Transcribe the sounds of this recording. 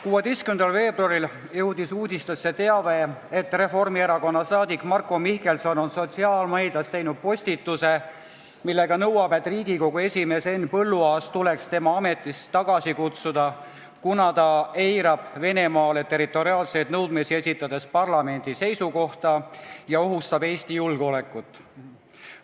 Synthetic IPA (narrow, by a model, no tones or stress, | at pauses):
kuwɑd̪̥e̞jstkymend̪ɑlve̞ːbruɑɾil | jɤwd̪̥isuːd̪̥ʲist̪ɑsːe̞t̪e̞ɑve̞et̪ːˑre̞fo̞rmieɾɑko̞nːɑsɑːd̪ikːˑmɑrkːo̞mihke̞lso̞no̞nso̞t̪ʲsiɑːlmɑjd̪ɑst̪e̞jnud̪̚po̞sʲt̪it̪ːuse̞ | milːe̞ɡɑnɤwɑbe̞t̪ːˑriːɡiko̞ɡ̥ue̞sʲime̞ːse̞nːpɤlːuɑːst̪ule̞kst̪e̞mɑɑme̞t̪ːˑist̪ɑɡ̥ɑsikut̪sud̪̥ɑ | kunɑt̪ɑe̞jɾɑb̥ve̞ne̞mɑːle̞t̪e̞ɾit̪ːˑo̞ɾiɑːlse̞jd̪nɤwd̪̥me̞sie̞sʲit̪ːˑɑd̪̥e̞spɑrlɑme̞nʲd̪̥ise̞jsuko̞ht̪ɑjɑo̞ɦust̪ɑbe̞ːsʲt̪ijulɡ̥eo̞le̞kːˑut̪ːˑ